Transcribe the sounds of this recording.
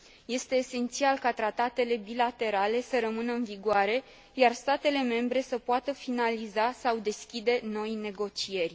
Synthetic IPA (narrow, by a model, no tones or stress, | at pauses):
je̞st̪e̞ːse̞nt̪sialkat̪ɾat̪at̪e̞le̞bilat̪e̞ɾale̞səɾəmɨnəɨnviɡʊaɾe̞ | jarst̪at̪e̞le̞me̞mbɾe̞səpoat̪əfinalizasawd̪e̞skʲid̪e̞no̞jne̞ɡo̞t͡ʃie̞rʲ